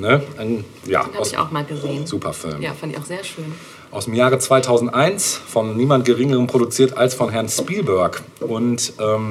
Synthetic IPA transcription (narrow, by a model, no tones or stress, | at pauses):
nən | ja̰ːaʊça̰ʊxmaːlɡəzez̥uːpʰɐ̰fɪ̰lmjfandɪçaʊxzeːɐʃøːn | ʔaʊsd̥emjaːʁət͡sv̥aɪtʰaʊzn̩tʔaɪnsfɔnːiːmantɡ̥əʁɪŋəʁəmpʁ̥odut͡siːɐtalsfɔnɦɛɐnspiːlbœɐkʔʊntʔɛːm